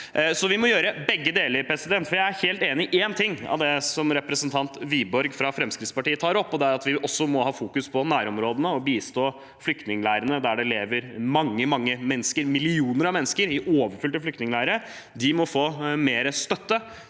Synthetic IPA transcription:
sɔʋɪmɔjøːɾəbɛɡːəd̪eːləɾpʰɾɛsɪd̪ɛnt̪fɔɾjæɪæɾheːlt̪eːnɪʔeːnt̪ʰɪŋːɑ̰ʋd̪ɛsɔmɾɛpɾəsənt̪ʰɑnt̪ʋiːbɔɾɡfɾɑfɾɛmskɾɪt̪spɑʈiːət̪ʰɑːɾɔpːɔd̪ɛæɾɑt̪ʋɪʔɔsːɔmɔhɑːfuːkʉspʰɔnæːɾɔmɾoːd̪ənəɔbiːst̪oː | flʏk̚t̪nɪŋlæɪɾənəd̪æɖɛleːʋəɾmɑŋːəmɑŋːəmɛnːskəɾmɪlɪuːnəɾɑʋmɛnːəskəɾɪʔoːʋəɾfʏlt̪əflʏkt̪nɪŋlæɪəɾə | d̪ɪmɔfoːmeːɾəst̪œt̪ːə

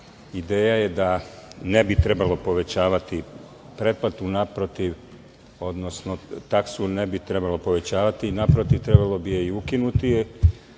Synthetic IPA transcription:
id̪eːjajed̪ane̞bit̪ɾe̞balopo̞ʋe̞t͡ɕaːʋat̪i | pɾe̞d̪̚plˠat̪unapɾo̞t̪iʋ | o̞d̪no̞sno̞t̪aksunebit̪ɾe̞balˠo̞po̞ʋe̞t͡ɕaːʋat̪inapɾot̪iʋt̪ɾebalˠo̞bijeiukinut̪i

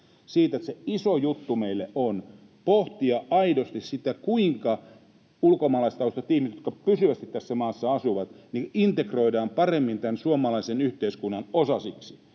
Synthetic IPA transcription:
siːt̪et̪seisojut̪ːumeilːeʔon | poht̪iɑʔɑidost̪issit̪ækuiŋkɑ | ulkomɑːlɑist̪ɑost̪ɑt̪ːihmistjot̪kɑpysyʋæst̪it̪t̪æsːæmɑːsːɑɑsuʋɑt̪niʔint̪ekroidɑːmpɑremːint̪ænsuomˑɑlɑisenyht̪eiskunːɑnosɑsiksi̥

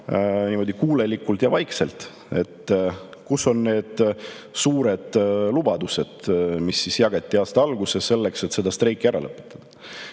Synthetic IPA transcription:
niːmo̞d̪ikuːle̞likːult̪jɑvɑjkselt̪ | e̞t̪ːkusːo̞nne̞ːd̪̥ | suːɾe̞d̪̥lub̥ɑd̪use̞d̪̥misːisjɑɡ̥ɑt̪ʲːˑiɑːst̪ɑɑlɡ̥usese̞lːe̞kset̪se̞d̪ɑst̪ɾe̞jkːˑiæɾɑ̰lɤpːˑe̥t̪ːˑɑ̥d̪̥ɑ

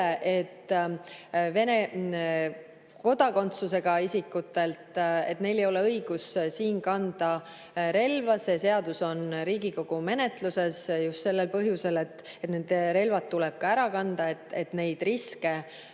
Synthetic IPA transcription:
eʔet̪ː | ve̞ne | ko̞d̪̥ɑko̞nt̪suse̞ɡ̥ɑisikːˑut̪ːˑe̞lt̪e̞t̪ne̞jle̞jo̞le̞ɤiɡ̥ussiːnkɑnd̪̥ɑ | ɾe̞lvɑsese̞ɑd̪̥uso̞nɾiːɡiko̞ɡ̥ume̞ne̞t̪luse̞sjust̪se̞lːe̞lpɤɦjuse̞le̞t̪ː | e̞t̪nend̪eɾe̞lvɑt̪ːulɛb̥̚kɑæɾɑkɑnd̪̥ɑe̞t̪ːˑe̞t̪ne̞jd̪̥riske̞

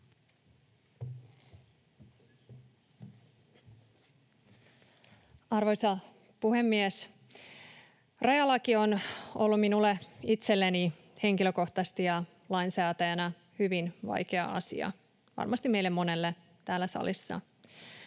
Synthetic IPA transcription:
ɑrʋo̞jsɑ | puhe̞mːies | rɑjɑlːɑkio̞no̞̰lːuminulːeit̪se̞lːeni | he̞ŋkiløko̞ht̪ɑst̪ijɑ | lɑinsæːt̪æjænæ | hyʋinʋɑ̰jke̞ɑ̰ɑ̰sḭɑ̰ | ʋɑ̰rmɑst̪ime̞jlːemːo̞ne̞lːe | t̪æːlːæsɑ̰lisːɑ̰

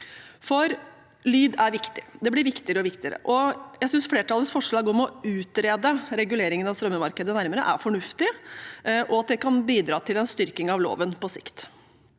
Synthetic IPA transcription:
fɔɾ | lyːd̪æɾʋɪkt̪ɪ̥d̪ɛb̪ɪɾʋɪkt̪ɪəɾəɔʋɪkt̪ɪəɾə̰ʔɔjæsʏnsfleːʈʰɑlːəsfɔʂlɑɡoːmɔʉːt̪ɾeːd̪əɾɛɡʉleːɾɪŋənɑʋst̪ɾœmːəmɑɾkəd̪ənæɾməɾə̰ʔæɾfɔɳʉft̪ɪ | ʔɔɑt̪̚d̪ɛkɑnbiːd̪ɾɑːt̪ʰɪlɛnst̪ʏɾkɪŋɑʋlo̰ːʋənpʰɔsɪ̰kt̪

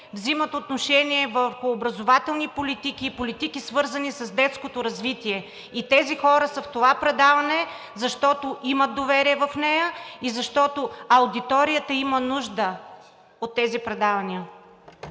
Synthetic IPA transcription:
vzimət̪ot̪noʃɛniɛvəɾxʊːbɾɐzovat̪ɛlˠnipolit̪ikiːpolit̪ikisvɤɾzɐnisɐzd̪ɛt̪skot̪oɾɐzvit̪iɛ | it̪ɛzixɔɾəsəft̪ovapɾɛd̪avɐnɛ | zɐʃt̪ɔt̪oʔimət̪̚d̪ovɛɾiɛvɐfnɛjəizɐʃt̪ɔt̪oɐʊd̪it̪ɔɾijət̪əimənuʒd̪ə | ot̪ːɛzipɾɛd̪avɐniə

